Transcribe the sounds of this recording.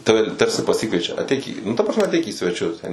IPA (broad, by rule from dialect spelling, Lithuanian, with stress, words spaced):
ˈtɑːʋʲɛ ˈtɐrʲsʲɪ pɐˈsʲɪkʋʲiɛt͡ʃʲɛ ɐtʲˈɛɪk iː nʊ tɐ prɐsʲˈmʲɛ ɐtʲˈɛɪk iː sʲʋʲɛˈt͡ʃʲʊs ˈtʲɛn